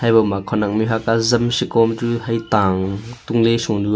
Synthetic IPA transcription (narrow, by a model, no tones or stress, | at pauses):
hajbɔmakʰɔnɐk̚miɦakazɐmsikɔmt͡suhɐjt̪aːŋt̪uŋlɛsuŋdu